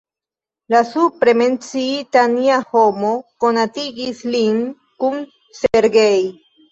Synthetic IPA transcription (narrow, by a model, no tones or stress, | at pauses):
lasupɾe̞me̞nt͡siitaniaho̞mo̞ko̞natiɡislin | kun | seɾɡe̞j